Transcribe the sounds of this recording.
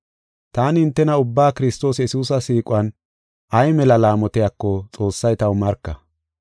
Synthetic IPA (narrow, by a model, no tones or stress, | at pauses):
t̪aːnɪɪnt̪ːɛnɐʊbːaːkɪɾɪst̪o̞ːsjɛsuːsɐsiːkʼʊɐn | ʔɐjmɛlɐlaːmɔt̪ɪjakːɔt͡sʼo̞ːsːɐjt̪ɐwmɐɾkːɐ